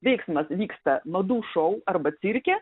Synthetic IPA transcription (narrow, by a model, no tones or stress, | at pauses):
ʋʲɛɪksmɐsʋʲiːkst̪ɐmɐd̪uːʃɐʊɐɾbɐt̪sʲɪɾʲkʲɛ